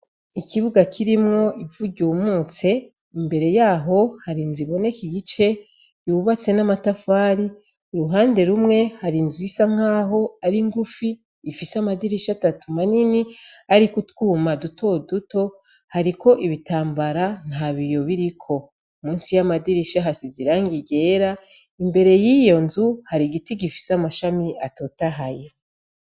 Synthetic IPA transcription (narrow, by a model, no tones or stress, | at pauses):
ikʰiβuɡakʰiɾimŋo̞ʔivuɟumuːt͡se̞ | imbe̞ɾe̞jaːɦo̞haɾiːnziβo̞ne̞kiɡit͡ʃe̞ | juːβat͡se̞namatafaːɾi | uɾuɦaːnde̞ɾumŋe̞haɾinzisaŋŋ̥aːɦo̞aɾiŋɡufiː | fisamadiɾiʃatatumaniniaɾikutkuːmaduto̞duto̞ | haɾiko̞ʔiβitaːmbaɾan̥haβijo̞βiɾikʰo̞ | umuːnsijamadiɾiʃaɦasiziɾaːŋɡiɟe̞ːɾa | imbe̞ɾe̞jijo̞nzuhaɾiɡitiɡifi̥samaʃamiato̞taɦaje